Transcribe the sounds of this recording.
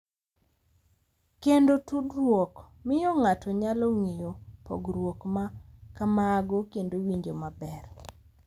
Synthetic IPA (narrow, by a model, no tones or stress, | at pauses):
kendotudrwok | mɪjɔŋatʰɔɲalɔŋejopo̰ɡɾwokmakamaːɡokendowiɲd͡ʒomabɛr